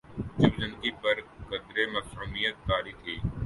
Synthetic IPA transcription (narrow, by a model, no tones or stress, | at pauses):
d͡ʒud͡ʒənkipɐɾkɐd̪ɾeːmɐksuːmijət̪̚ːaːɾit̪ʰiː